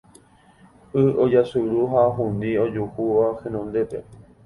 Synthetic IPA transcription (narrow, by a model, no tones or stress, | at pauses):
ɨod͡ʒasuɾuɦaɦũnd̪io̞d͡ʒuhuʋahẽnõnd̪e̞pe̞̰